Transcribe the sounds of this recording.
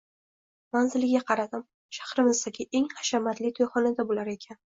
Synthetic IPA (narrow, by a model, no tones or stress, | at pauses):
manzɪlɪɡʲaqʰɑɾad̪ɪm | ʃḁχɾɪmɪzd̪akʲʰɪʔe̞ŋχɑ̥ʃamat̪lɪt̪ʰojχɒnad̪abolaɾe̞kʲʰan